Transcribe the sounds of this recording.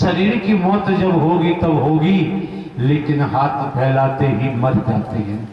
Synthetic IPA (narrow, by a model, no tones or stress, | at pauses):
ʃɐɾiːɾkimɔːt̪d͡ʒɐbɦoːɡit̪ɐbɦoːɡi | leːkɪnɦaːt̪ʰpʰɛːlaːt̪eɦimɐɾkɐɾt̪iɦɛ̃ː